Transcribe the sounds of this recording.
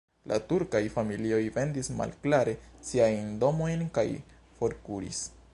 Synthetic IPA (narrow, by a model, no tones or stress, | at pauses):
lʔa̰tuɾkajfamilio̞jve̞ndisma̰lklaɾe̞siajndo̞mo̞jnkaj | fo̞ɾkuɾḭs